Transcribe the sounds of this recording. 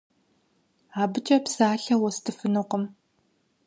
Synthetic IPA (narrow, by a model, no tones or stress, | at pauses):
aːbɨt͡ʃʼɐpsaːɬɐwɔstʰɨfɨnɨqəm